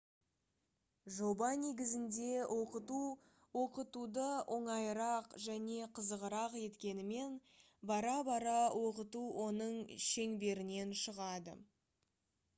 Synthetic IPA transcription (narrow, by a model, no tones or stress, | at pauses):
ʒo̞bɑne̞ɡʲɪzɪnd̪e̞wʔo̞qət̪u | wo̞qət̪ud̪əʔo̞ɴɑjɾɑqʒæne̞qʰəzəʁəɾɑqje̞t̪kʲe̞nɪme̞n | bɑɾɑbɑɾɑwʔo̞qət̪uwʔo̞nəɴʃe̞ŋbe̞ɾɪne̞nʃəʁɑd̪ə̰